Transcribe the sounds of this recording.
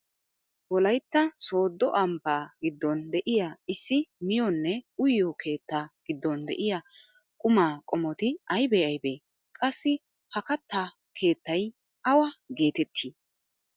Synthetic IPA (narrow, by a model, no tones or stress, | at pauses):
wɔlɐjt̪ːɐso̞ːd̪ːɔʔɐmpːaːɡɪd̪ːɔnd̪ɛʔɪjaɪsːɪmɪjɔnːɛʊjːɔkʰe̞ːt̪ːaːɡ̥ɪd̪ːɔnd̪ɛ̰ʔɪjɐ | kʼʊmaːkʼɔmɔt̪ɪɐjbɛɐjbeː | kʼɐsːɪ | hɐkɐt̪ːa | kʰe̞ːt̪ːɐj | ʔɐwɐɡe̞ːt̪ɛt̪ʰːiː